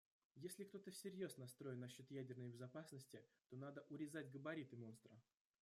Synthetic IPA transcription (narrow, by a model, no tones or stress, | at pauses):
jesʲlʲɪkt̪o̞t̪əsʲɪɾʲjo̞snɐst̪ɾo̞ɪnːɐɕːo̞t̪jædʲɪrnəjbʲɪzɐpasnəsʲtʲɪt̪o̞nad̪əʔʊɾʲɪzatʲɡəbɐɾʲit̪ɨmo̞nst̪ɾə